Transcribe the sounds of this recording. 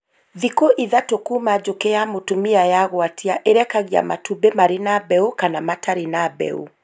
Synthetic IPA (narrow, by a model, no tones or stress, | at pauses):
ðikoʔiðatokumad͡ʒokejamotumiajaɣwatʰiaʔeɾɛkaɣja̰ma̰tubemaɾenabɛukanamatʰaɾenabɛ̰ṵ